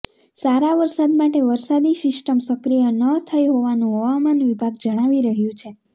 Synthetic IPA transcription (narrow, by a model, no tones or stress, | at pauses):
saɾaʋəɾsad̪maʈeʋəɾsad̪isɪsʈəmsəkɾijənət̪ʰəjɦoʋanũɦəʋamanʋibʱaɡd͡ʒəɽ̃aʋiɾəɦjũt͡ʃʰe